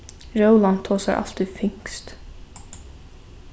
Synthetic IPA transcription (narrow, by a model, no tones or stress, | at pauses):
ɹəʊlɑnt̪ʰoːsa̰ɹʔɑ̰lt̪ɪfɪŋkst̪